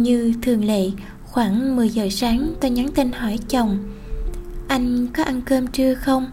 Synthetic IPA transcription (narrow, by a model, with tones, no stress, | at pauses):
ɲɨ˧t̪ʰɨ˨˩əŋlḛ˧˨ | xwaː˧˩ŋmɨ˨˩əjzə̰ː˨˩saː˨˦ŋt̪ɔ˧˩ɲa˨˦nt̪i˧nhɔ˧˩jt͡ɕə˨˩wŋ͡m | ʔa˧jŋ̟kɔ˨˦ʔa˧nkəː˧mt͡ɕɨ˧əxə˧wŋ͡m